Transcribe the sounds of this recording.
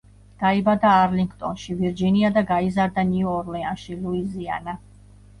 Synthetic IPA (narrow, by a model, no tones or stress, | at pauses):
d̪̥aibad̪aːɾliŋɡʰt̪ʼɔnʃiviɾd͡ʒiniad̪aɡaizaɾd̪aniɔɔɾlɛanʃiluizia̰na